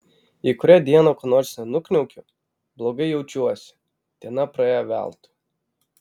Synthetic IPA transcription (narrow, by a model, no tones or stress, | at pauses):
ikʊɾʲæd̪ʲiɛnoːkonoːɾʲsʲnʊknʲɛʊkʲʊ | blˠoːɡɐɪjɛʊt͡ʃʲuɔsʲɪ̥ | t̪ʲɛnɐpɾɐeːjoʋʲæ̰ˑlˠt̪ʊ̥